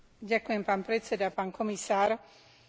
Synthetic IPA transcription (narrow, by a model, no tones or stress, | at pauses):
ɟakujɛmpaːnpɾɛt͡sɛd̪apaːnkɔmisaːɾ